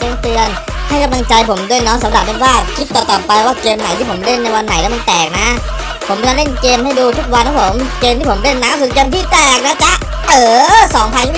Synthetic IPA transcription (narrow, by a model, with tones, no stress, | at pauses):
keː˧mt̪ɯ˧ən | ha˥˩jka˧mla˧ŋt͡ɕa˧jpʰo˩˦mdu˥˩əjnɔ˦˥sa˩˦mɾa˨˩p̚pe˧nwaː˥˩kʰi˦˥t̪ːɔː˨˩t̪ɔː˨˩pa˧jwaː˥˩keː˧mna˨˩˦t̪ʰiː˥˩pʰm˧˨le˥˩nːa˧jwa˧nːa˨˩˦jlɛ˦˥ma˧nt̪ɛː˨˩k̚na˦˥ | pʰo˩˦mka˧le˥˩nkeː˧mha˥˩jduː˧t̪ʰu˦˥k̚wa˧nkʰɔ˧˦˥pʰo˩˦mkeː˧mt̪i˥˩o˩˦mɾe˥˩nːaː˦˥sɯ˧˦keː˧mt̪ʰiː˥˩t̪ɛː˨˩k̚na˦˥t͡ɕa˨˩ʔ | ʔɤː˨˩sɔː˩˦ŋpʰaː˧j̪ʰi˥˩